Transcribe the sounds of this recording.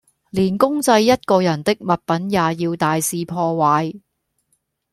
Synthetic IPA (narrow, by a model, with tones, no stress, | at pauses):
liː˨˩nkʊ˥ŋt͡sɐ˧jːɐ˥t̚kɔː˧jɐ˨˩nt̪ɪ˥k̚mɐ˨t̚pɐ˨˥njaː˨˩jiː˧wt̪aː˨jsiː˧pʰɔː˧waː˨˧j